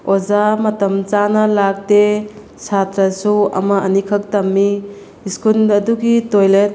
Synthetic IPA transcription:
ozamɐtɐmt͡ʃanɐlak̚de | sʰatɾɐsuɐ̰mɐɐnikʰɐk̚tɐmːi | iskunɐduɡitojlet̚

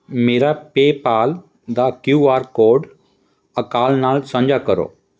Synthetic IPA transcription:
meːɾapeːpaːl | d̪akjuaːɾkoːɖ | əkaːlnaːlsə̃ɲd͡ʒakəɾo̰ː

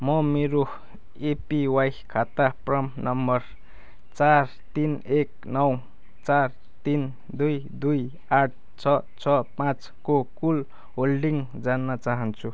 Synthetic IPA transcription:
mʌmeɾo | epiwajkʰat̪aprʌmnʌmbʌr | t͡sar | t̪inek̚ | nʌw | t͡sar | t̪in | d̪ujd̪uj | aʈ̚ʰ | t͡sʰʌt͡sʰʌpãt͡s | kokul | ɦolɖiŋd͡zanːʌt͡saɦʌnt͡sʰu

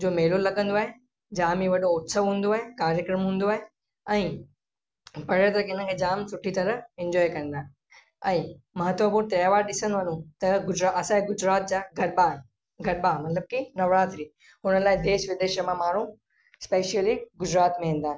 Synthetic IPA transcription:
d͡ʑoːmeːlullɐɠə̃nd̪oaːɦe | d͡ʑaːmiʋɐɗoʊt̪səʋɦũːn̆d̪oaːɦekaːɾjəkɾəmɦũːn̆d̪oaːɦe | ɛ̃ː | pɐɾət̪ɾəkɪnə̆kʰeːd͡ʑaːmsʊʈʰit̪ɐɾəɪ̃ɲd͡ʑɔːjkɐ̃n̆d̪aːẽ | ɛ̃ː | mɐɦət̪ʋəpuɾt̪jaːʋaːɾɗɪsə̃nd̪oʋɐnũt̪ɐɡʊd͡ʑɾaʔɐsãeɡʊd͡ʑɾaːt̪̚d͡ʑaːɡʱɐɾbaɦ | ɡʱɐɾbamɐt̪ləb̚kinɐʋɾaːt̪ɾiː | ɦʊnəlaːɪd̪eːʃʋɪd̪eːʃəmãmaːɾ̤ũ | speːʃiəliɡʊd͡ʑɾaːt̪mẽɦũːn̆d̪aːɦe

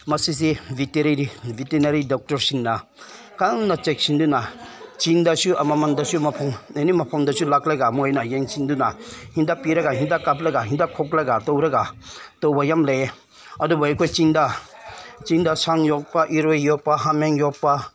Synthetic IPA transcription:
mɐsis̬ibʱiteɾiɾibʱitenaɾidɔk̚tɔɾsiŋna | kaŋnat͡ʃek̚sindunat͡ʃindɐsuɐmamɐndɐsumɐpʰɔŋenimɐpʰɔŋdɐsʰulak̚laɡamujnajeŋsindunahindapiɾɐɡaɦindakap̬̚laɡaɦindakʰɔk̚laɡatowɾɐɡatowbajamle | ɐdubaajkʰojt͡ʃinda | t͡ʃindasaŋjɔk̚paʔiɾojjɔk̚paɦameŋjɔk̚pa

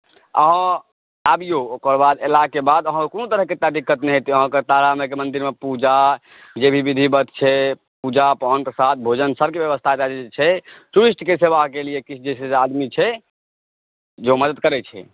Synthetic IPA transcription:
ə̰ɦə̃ | abijookəɾbad̪elakebad̪əɦə̃konot̪əɾəɦket̪ad̪ikːət̪nɛɦet̪iəɦə̃ket̪aɾamekemənd̪iɾmepud͡ʒa | d͡ʒebʱibid̪ʱibət̪t͡ʃʰɛ | pud͡ʒapankesat̪̚ʰbʱod͡ʒənsəbʱkebjəbəst̪ʰad͡ʒad͡ʒɛt͡ʃʰɛʈuɾisʈkeseʋakeliekit͡ʃʰd͡ʒɛsesead̪mit͡ʃʰɛ | d͡ʒeməd̪əd̪̚kəɾɛt͡ʃʰɛ̰

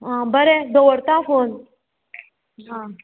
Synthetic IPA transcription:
ɦãbəɾed̪əwəɾt̪afon | ɦã

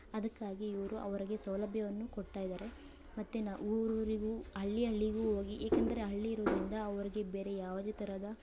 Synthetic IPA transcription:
ɐd̪ɐkːaːɡiiʋɐɾuʔɐ̰ʋɐɾiɡe̞sɐwlɐbjɐʋɐnːukoɖt̪aːjid̪aːɾe̞ | mɐt̪ːenaɾoɾiɡuːɐɭːiɐɭːiɡuːɦoːɡiʔeːkɐnd̪ɐɾe̞ɦɐɭːiːɾoːd̪ɐɾind̪ɐːʋɐɾiɡe̞beːɾe̞jaːʋɐd̪et̪ɐɾad̪ɐ

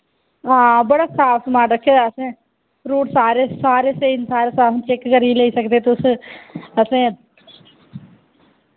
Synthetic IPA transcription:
ãːbəɽaːsaːfʰsəmaːʈɾəkʰːeːd̪aːəsẽː | pɾuːʈsaːɾeːsaːɾeːseːnsaːɾeːsaːpt͡ʃekːəɾileiːsəkd̪eːt̪ʊs | əsẽː

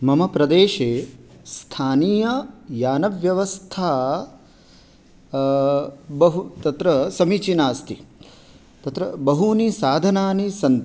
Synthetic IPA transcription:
mɐmɐpɾɐd̪eːʃeːst̪ʰaːnijɐjaːnɐʋjɐʋɐst̪ʰaː | bɐɦut̪ɐt̪ɾɐsɐmiːt͡ʃinaːst̪ʰi | t̪ɐt̪ɾɐbɐɦuːnisaːd̪ʱɐnaːnisɐnt̪

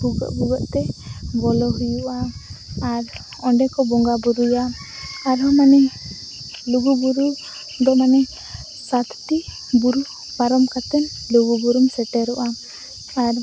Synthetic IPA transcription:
huɡɔ̰ʔbuɡɔʔt̪ɛbɔlɔɦujuʔaː | ɾ | ɔɳɖɛkɔbɔŋɡabuɾujaː | ɾɦɔmanɛ | luɡubuɾu | d̪ɔmanɛ | sat̪ʰt̪i | buɾu | paɾɔmkat̪ɛn | luɡubuɾumsɛʈɛɾuʔa | aɾ

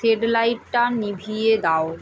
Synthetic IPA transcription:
eɖlajʈ̚ʈanibʱied̪ao

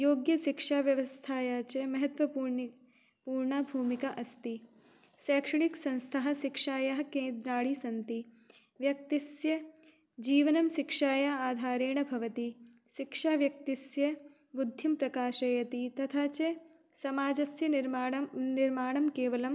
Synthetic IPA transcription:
joːɡjɐʃikʂaːʋjɐʋɐst̪ʰaːjaːt͡ʃemɐɦɐt̪ʋɐpuːɾɳ | puːɾɳɐbʱuːmikɐʔɐst̪i | sɛːkʂɐɳiksɐ̃nst̪ʰɐɦɐ̆ʃikʂaːjɐɦɐkẽːnd̪ɾaːɽisɐnt̪i | ʋjɐk̚t̪isjɐ | d͡ʒiːʋɐnɐmʃikʂaːjɐaːd̪ʱaːɾeːɳɐbʱɐʋɐt̪i | ʃikʂaːʋjɐk̚t̪isjɐ | bud̪ʱjɐmpɾɐkaːʃɐjɐt̪it̪ɐt̪ʰaːt͡ʃe | sɐmaːd͡ʒɐsjɐnɾɐniɾmaːɳɐmkeːʋɐlɐm

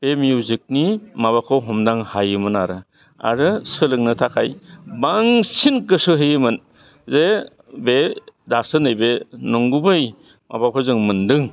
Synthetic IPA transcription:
b̥emijuzɯk̚nimaβakʰɔɦɔmdaŋhajɯmɯnaɾɯ | a̰ɾɯsɯlɯŋnɯtʰakʰajbaŋsinkɯsɯɦɯjɯmɯn | ze | bedasɯnɯjbenɔŋɡubɯj | ma̰bakʰɔzɯŋmɯndɯŋ

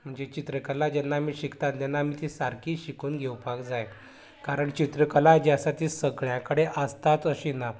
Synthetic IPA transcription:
m̤əɳd͡zet͡ɕit̪ɾəkəlad͡ʑɛnːaːmiːɕikt̪at̪d̪ɛnːaːmiːt̪isaɾkiːɕikuːnɡʱewpakd͡zaj | kaɾəɳt͡ɕit̪ɾəkəlad͡ʑasat̪iːsəɡɭjãkəɽeʔəst̪at͡s̪əɕina

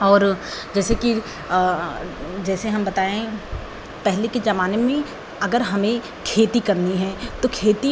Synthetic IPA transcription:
ɔːɾd͡ʒɛːseki | d͡ʒɛːseɦɐmbɐt̪aːẽ | pɛɦleked͡ʒɐmaːnemẽ | ɐɡəɾɦɐmẽ | kʰeːt̪ikɐɾniɦɛ̃ːt̪okʰeːt̪i

